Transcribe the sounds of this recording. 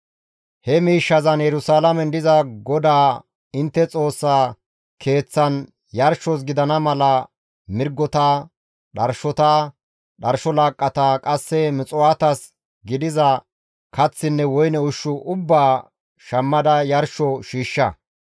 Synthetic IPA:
hɛmiːʃːɐzɐnjɛɾʊsaːlɐmɛnd̪ɪzɐɡɔd̪aː | ɪnt̪ːɛt͡sʼo̞ːsːaː | kʰe̞ːt͡sːɐn | jɐɾʃɔs̬ɡɪd̪ɐnɐmɐlɐ | mɪɾɡːɔt̪a | ɗɐɾʃɔt̪aː | ɗɐɾʃɔlaːkʼːɐt̪aːkʼɐsːɛmɪt͡sʼʊwaːt̪ɐs | ɡɪd̪ɪzɐ | kɐt͡sːɪnːɛwɔjnɛʊʃːʊʔʊbːaː | ʃɐmːɐd̪ɐjɐɾʃɔʃiːʃːɐ

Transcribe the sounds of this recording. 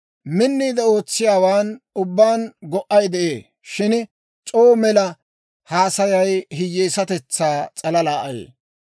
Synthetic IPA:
mɪnːiːd̪ɛo̞ːt͡sːɪjaːwaːnʊbːaːnɡɔʔɐjd̪ɛʔeː | ʃɪn | t͡sʼoːmɛlɐ | haːsɐjɐjɦɪjːeːsɐt̪ɛt͡sːaːt͡sʼɐlɐlaːʔɐjḛː

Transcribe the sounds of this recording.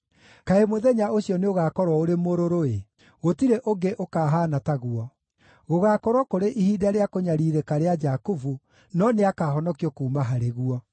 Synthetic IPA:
kaemoðɛɲaoɕjɔneoɣaːkɔɾwɔoɾemoɾoɾoe | ɣotiɾeʔoɡeʔokaːɦaːnataɣuɔ | ɣoɣakɔɾwɔkoɾeʔihiːdaɾeakoɲaɾiːɾekaɾead͡ʒakuvu | nɔneakaːɦɔnɔkiɔkuːmaɦaɾeɣuɔ

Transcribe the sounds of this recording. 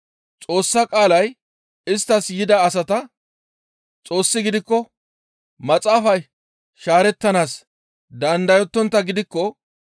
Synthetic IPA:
t͡sʼo̞ːsːɐkʼaːlɐj | ɪst̪ːɐsjɪd̪ɐːsɐt̪ɐ | t͡sʼo̞ːsːɪɡɪd̪ɪkːɔ | mɐt͡sʼaːfɐj | ʃaːɾɛt̪ːɐnaːs | d̪ɐnd̪ɐjɔt̪ːɔnt̪ːɐɡɪd̪ɪkːɔ

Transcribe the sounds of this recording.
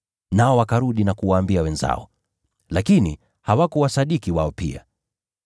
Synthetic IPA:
naɔwakaɾuɗinakuwaːmbiawɛnza̰ɔ | lakinḭ | hawakɔwasaɗikiwaɔpḭa̰

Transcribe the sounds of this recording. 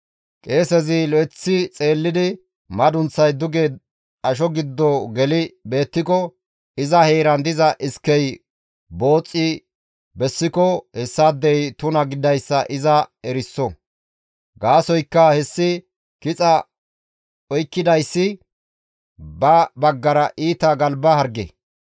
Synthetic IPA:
kʼe̞ːsɛzɪlɔɛt͡sːɪt͡sʼe̞ːlːɪd̪ɪ | mɐd̪ʊnt͡sːɐjd̪ʊɡe | ɐʃ̬ɔɡɪd̪ːɔɡɛlɪbe̞ːt̪ːɪkɔ | ɪzɐheːɾɐnd̪ɪzɐʔɪskːɛj | bo̞ːt͡sʼːɪ | bɛsːɪkɔhɛsːad̪ːɛjt̪ʊnɐɡɪd̪ɐjsːɐʔɪzɐɛɾɪsːɔ | ɡaːsɔjkːɐhɛsːɪ | kɪt͡sʼɐ | ɔjkːɪd̪ɐjsːɪ | bɐbɐɡːɐɾɐʔiːt̪ɐɡɐlbɐhɐɾɡḛ

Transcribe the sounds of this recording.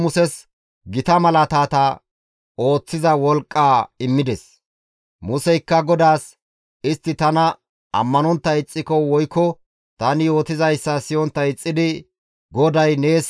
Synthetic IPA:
mʊsɛs | ɡɪt̪ɐmɐlɐt̪aːt̪ɐ | o̞ːt͡sːɪzɐwɔlkʼːaːɪmːɪd̪ɛs | mʊsɛjkːɐɡɔd̪aːs | ɪst̪ːɪt̪ɐnɐ | ɐ̰mːɐnɔnt̪ːɐɪt͡sʼːɪkɔwɔjkːɔ | t̪ɐnɪjo̞ːt̪ɪzɐjsːɐsɪjɔnt̪ːɐjɪt͡sʼːɪd̪ɪ | ɡɔd̪ɐjne̞ːs

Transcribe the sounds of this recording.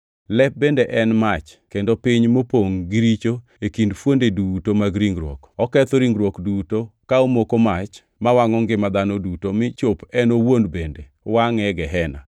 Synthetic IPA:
lɛp̚bendeʔɛnmat͡ʃkendopiɲmopoŋɡiɾit͡ʃo | ekindfwondedutomaɡɾiŋɡɾwo̰kɔkɛt̪oɾiŋɡɾwokdutokaomokomat͡ʃ | mawaŋɔŋɡɪmad̪anodutomɪt͡ʃopɛnowonbende | waŋɛɡɛɦɛna̰

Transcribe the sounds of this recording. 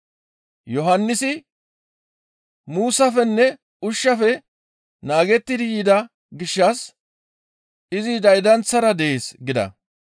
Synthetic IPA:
jɔɦɐnːɪsɪ | muːsɐfɛnːɛ | ʊʃːɐfɛ | naːɡɛt̪ːɪd̪ɪjiːd̪ɐ | ɡɪʃːɐs | ɪzɪd̪ɐjd̪ɐnt͡sːɐɾɐd̪ɛʔeːsɡɪd̪ɐ̰

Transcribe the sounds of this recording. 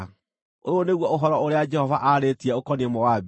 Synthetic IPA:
oɾoneɣwɔoɦɔɾɔoɾead͡ʒɛhɔvaʔaɾetiɛokɔniɛmɔwab

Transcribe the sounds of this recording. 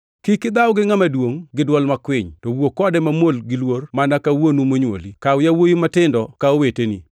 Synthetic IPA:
kɪkɪd̪awɡɪŋamadwoŋɡɪdwɔlmakwɪɲtɔwokɔdɛmamolɡɪlwormanakawonumoɲwo̰likaʊjawojimatɪndɔkaowetenḭ

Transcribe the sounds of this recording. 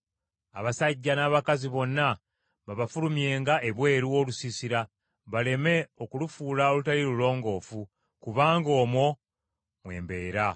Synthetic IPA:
a̰βasaɟːanaːβakaziβo̞nːa | βaβafulumje̞ːŋɡaʔe̞βwe̞ːɾuo̞lusisiɾa | βale̞me̞o̞kulufuːlaolutaliɾulo̞ːŋɡo̞ːfu | kuβaːŋɡo̞ːmwo̞ | mwe̞̰ːmbe̞ːɾa

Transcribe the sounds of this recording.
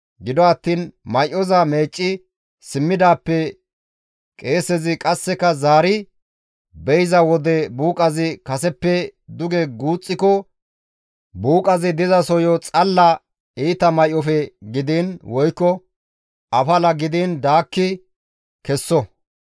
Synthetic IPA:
ɡɪd̪ɔɐt̪ːiːnmɐjʔɔzɐme̞ːt͡ʃʼːɪ | sɪmːɪd̪aːpːɛ | kʼe̞ːsɛzɪkʼɐsːɛkɐzaːɾɪ | bɛjzɐwɔd̪ɛbuːkʼɐzɪkɐsɛpːɛd̪ʊɡɛɡuːt͡sʼːɪkɔ | buːkʼɐzɪd̪ɪzɐsɔjɔt͡sʼɐlːɐ | iːt̪ɐmɐjʔɔfɛɡɪd̪iːnwɔjkːɔ | ʔɐfɐlɐɡɪd̪ind̪aːkːɪ | kɛsːɔ

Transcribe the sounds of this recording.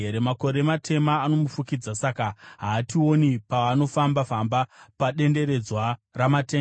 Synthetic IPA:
eɾe̞mako̞ɾematʰe̞maːno̞mufukid͡zasakaɦaːtio̞nipaʋano̞fambafambapaɗe̞nde̞ɾe̞d͡zwaramate

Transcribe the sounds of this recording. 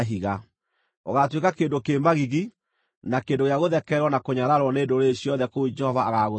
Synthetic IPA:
ɦiɣa | oɣatwekakeːndokeːmbaɣiɣi | nakeːndoɣejaɣoðɛkɛɾwɔnakoɲaɾaɾwɔneːndoɾeɕjɔðɛkoud͡ʒɛhɔvaaɣaɣo

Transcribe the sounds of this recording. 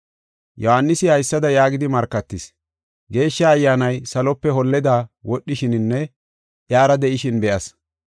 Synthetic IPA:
jɔhanːɪsɪhɐjsːɐd̪ɐjaːɡɪd̪ɪmɐɾkːɐt̪ːɪs | ɡe̞ːʃːɐːjːaːnɐjsɐlɔpːɛɦɔlːɛd̪aːwɔɗːɪʃɪnɪnːɛ | ʔjaːɾɐd̪ɛʔɪʃɪnbɛʔɐs

